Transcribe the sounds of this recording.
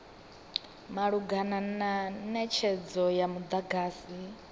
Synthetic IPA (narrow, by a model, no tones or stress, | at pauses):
maɺuɡanananɛt͡ʃʰɛd͡zɔjamud̪aɡaːsi